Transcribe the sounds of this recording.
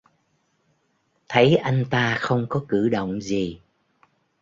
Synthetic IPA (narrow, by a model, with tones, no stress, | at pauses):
t̪ʰə˨˦jʔa˧jŋ̟t̪aː˧xə˧wŋ͡mkɔ˨˦kɨ˧˩ɗə̰˧˨wŋ͡mzi˨˩